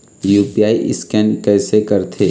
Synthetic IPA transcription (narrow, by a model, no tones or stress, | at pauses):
juːpiaːiʔɪ̰skɛːnkɛːsekɐɾt̪ʰeː